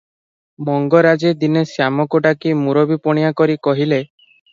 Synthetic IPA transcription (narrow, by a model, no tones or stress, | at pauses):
mɔŋɡɔɾad͡ʒed̪inesjamɔkɔʈakimuɾɔbipɔɽ̃ijakɔɾikɔɦile